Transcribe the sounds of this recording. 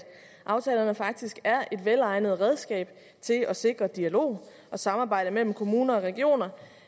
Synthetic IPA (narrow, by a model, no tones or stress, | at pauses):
ʔɑ̈ʊt͡sʰɛːlɐnəfɑ̈ɡ̥̚d̥isɡ̥æɐʔe̝d̥ʋelɑ̈ɪnəð̞̩ˠʁɛð̞ˠsɡ̥ɛ̰ːb̥ | t͡sʰe̝lɒ̽se̝ɡ̥ʁɐd̥iælo̝̰ː | ʔɒ̽sɑ̈mɑ̈ːb̥ɑ̈ɪ̰d̥əmel̰m̩kʰo̝muːnɐɒ̽ʁɛɡ̥io̝̰ːnɐ